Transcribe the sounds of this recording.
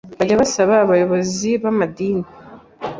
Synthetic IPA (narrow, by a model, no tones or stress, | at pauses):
βaɟaβasaβaːβajo̞βo̞ziβamad̪iːni